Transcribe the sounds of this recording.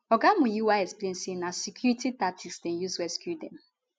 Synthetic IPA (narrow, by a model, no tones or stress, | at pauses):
ɔɡamũjiwaɛksplẽnsenasikʰjuɹititatʰiksdɛ̃juswɛskjudɛ̰̃m